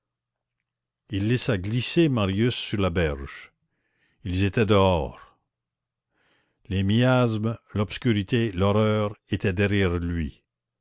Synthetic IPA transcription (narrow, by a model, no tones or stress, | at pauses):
ilːɛsaɡlisemaʁjysːyʁlabɛʁʒ̥ | ilzet̪ɛd̪əɔːʁ | lemiazmlɔbskʲyʁit̪elɔʁœːʁet̪ɛd̪ɛʁjɛʁlɥi